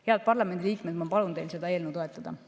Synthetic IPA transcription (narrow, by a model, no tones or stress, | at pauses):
he̞ɑd̪̚pɑrlɑmend̪iliːkmed̪mɑpɑlunt̪ejlse̞d̪ɑeːlnot̪oet̪ːˑɑd̪̥ɑ̰